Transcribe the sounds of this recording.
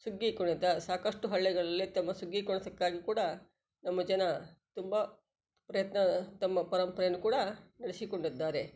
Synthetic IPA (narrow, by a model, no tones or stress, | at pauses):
suɡːikoɳid̪ːaːsaːkɐʂʈuɦɐɭːɛɡɐɭɐlːit̪ɐmːɐsuɡːikɔɳɐt̪ɐkːaːɡikuːɽɐ | nɐmːɐd͡ʒɐnɐt̪umbɐ | pɾɐjɐt̪nɐt̪ɐmːɐpɐɾɐmpɐɾɐnukuːɽɐnɐɽisikoɳɖid̪ːaːɾe̞